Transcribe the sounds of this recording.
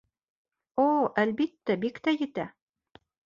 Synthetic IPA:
oʔælbit̪ːæbikt̪æjɘ̆t̪æ

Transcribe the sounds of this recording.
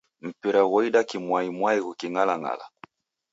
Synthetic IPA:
m̩piɾaɣɔidakimwaimwaiɣukiŋalaŋa̰la̰

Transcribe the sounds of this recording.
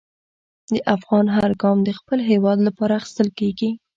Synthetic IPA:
d̪əʔafɣɑnɦaɾɡɑmd̪əxpəlɦewɑd̪lapɑɾaːxi̥st̪əlkeɡi

